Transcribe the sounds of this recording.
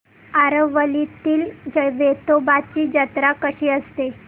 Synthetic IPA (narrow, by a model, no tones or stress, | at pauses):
aɾəʋʋəlit̪iːld͡ʑəʋet̪obat͡ɕiːd͡ʑət̪ɾakəɕiːəst̪e